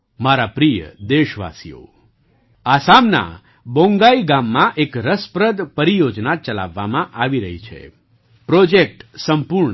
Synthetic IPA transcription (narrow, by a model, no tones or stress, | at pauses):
maɾapɾijə̰d̪eʃʋa̰sḭjo̰ | asamna̰ | bõŋɡaiɡamːãʔekɾəspɾəd̪pəɾijod͡ʒnat͡ʃəla̰ʋːamãʔaʋiɾəɦit͡ʃʰḛ | pɾod͡ʒek̚ʈsəmpuɾɳ